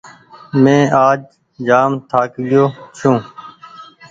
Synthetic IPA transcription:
mẽːʔaːd͡ʒ | d͡ʒaːmt̪ʰaːkɡɪjoːt͡ʃʰũː

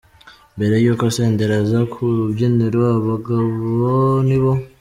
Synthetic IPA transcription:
mbe̞ɾejokase̞ːndeɾezakʰuβɟeneɾwaβaɡaβoniβo

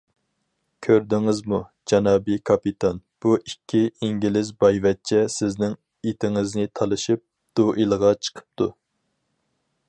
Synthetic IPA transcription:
kʲʰøɾd̪ɪŋɪzmud͡ʒɑnɑːbikʰɑpit̪ʰɑnb̥uʔikʲʰːiiŋɡʲilɪzbɑjvɛt̪̚t͡ʃʰɛsɪznɪŋ | it̪ʰɪŋɪznɪt̪ʰɑlˠɨʃip̚ | d̪̥oʔilˠəʁɑt͡ʃʰə̥qʰə̥p̚t̪ʰu

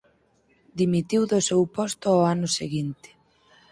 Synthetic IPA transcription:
d̪imit̪iwðosewpɔst̪oɔanʊseɣint̪ɪ̥

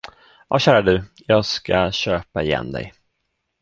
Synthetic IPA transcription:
ɑ̰ːɕæːɾad̪ɵjɑːɡskaɕøːpaɪjɛ̰nːd̪ɛ̰j

